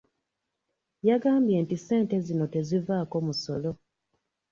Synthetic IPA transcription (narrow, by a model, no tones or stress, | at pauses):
jaɡaːmbje̞ːntise̞ːnte̞zino̞te̞zivaːko̞muso̞lo̞